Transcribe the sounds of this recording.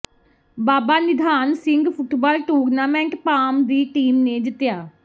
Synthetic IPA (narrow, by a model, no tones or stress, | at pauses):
baːbaːnɪd̪ʱaːnsɪŋɡpʰʊʈbaːlʈuːɾnaːmɛ̃ːɳʈpaːmd̪iːʈiːmneːd̪ɪt̪jaː